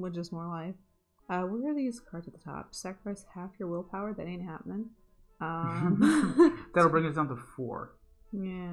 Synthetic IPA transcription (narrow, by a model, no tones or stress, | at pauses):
wɨd͡ʒʌsmɔɹlaɪf | ʌwɪɹəðiz̥kʰɑɹdɨt̪̚ðətʰɑ̰p̚sækɹə̥aɪshæfjə˞wɪlˠpʰaʊə˞ðɨɾẽɪ̃nt̚hæpn̩ɨ̃n | ʌ̃ | ðɨɾl̩ˠbɹɪ̃ŋɨt̚d̥ãʊ̃ntʰəfɔ̰ɹ | jæ